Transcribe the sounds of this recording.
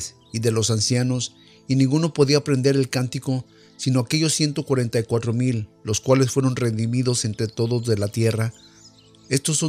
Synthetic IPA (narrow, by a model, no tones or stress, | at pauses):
s | iðe̞lo̞sansjano̞s | inĩŋɡuno̞po̞ðiapɾe̞nd̪e̞ɾe̞lkant̪iko̞ | sino̞ake̞ʝo̞sːje̞nt̪o̞kwaɾe̞nt̪ajkwat̪ɾo̞milːo̞skwale̞sfwe̞ɾo̞nre̞nd̪imiðo̞se̞nt̪ɾe̞t̪o̞ðo̞zðelat̪je̞ra | e̞st̪osːo